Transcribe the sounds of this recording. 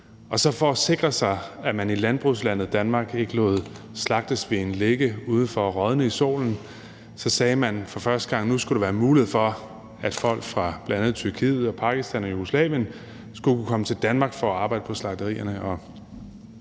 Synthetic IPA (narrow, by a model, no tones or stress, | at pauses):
ɒ̽sɒ̽fɒ̽ːse̝ɡ̥ʁɐsɑ̈ɪæmænilænb̥ʁuslæn̰ð̞̩ˠd̥ænmɑ̈ːɡ̥e̝ɡ̥əloːð̞̩ˠ | slɑ̈ɡ̥̚d̥əsʋe̝enleɡ̥əuːð̞ˠn̩fɒ̽ʁɒð̞ˠnəiso̝̰ːln̩ | sɒ̽sɛːmænfɒ̽fɶɐsd̥əɡ̥ɑ̈ŋ̰nusɡ̥uɾ̥eʋæːɐmuːlihḛfɒ̽ | æd̥fɒ̽l̰ɡ̥fʁɑ̈b̥læænð̞̩ˠt͡sʰyɐkʰḭːð̩ˠɒ̽pʰɑ̈ɡ̥isd̥ænɒjuɡ̥oslɛ̰ːʋjən | sɡ̥ukʰukʰɒ̽mət͡sʰe̝ld̥ænmɑ̈ːɡ̥fɒ̽ɒɑ̈ːb̥ɑ̈ɪ̰d̥əpʰɒ̽slɑ̈d̥əʁḭːɐnəʔɒ̽